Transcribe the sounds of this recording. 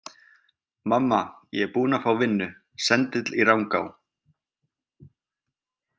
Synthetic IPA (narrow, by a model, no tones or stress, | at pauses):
mamːajɛɛpuːnafɾawvɪnːʏ | sɛnt̪ɪt̪lirawŋka̰ːw